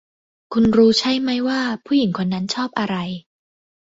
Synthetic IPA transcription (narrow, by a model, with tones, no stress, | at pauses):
kʰu˧nɾuː˦˥t͡ɕʰa˦˥jma˦˥˩jwaː˥˩pʰuː˥˩ji˩˦ŋkʰo˧nːa˦˥nt͡ɕʰɔː˥˩p̚ʔa˧ɾa˧j